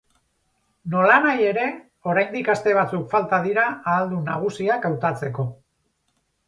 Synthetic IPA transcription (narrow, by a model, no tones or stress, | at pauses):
no̞lanaje̞ɾe̞ | o̞ɾajnd̪ikast̪e̞β̞at͡sukfalt̪aðiɾaːld̪unaɣ̞usiakawt̪at͡se̞ko̞